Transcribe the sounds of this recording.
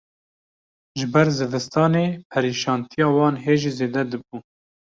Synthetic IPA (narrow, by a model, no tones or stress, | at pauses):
ʒɪbɛɾzɨvɨst̪ɑːneːpʰɛɾiːʃɑːnt̪ʰijɑːwɑːnɦeːʒizeːd̪ɛd̪ɨbuː